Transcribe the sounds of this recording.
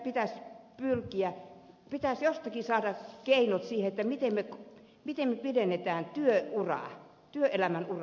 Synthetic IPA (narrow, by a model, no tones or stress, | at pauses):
pit̪æspylkiæ | pit̪æsjost̪ɑkisɑːdɑkeinot̪siːheet̪ːæmit̪emmek | mit̪emmepidenːet̪æːnt̪yøurɑ̰ˑ | t̪yøʔelæmænurɑ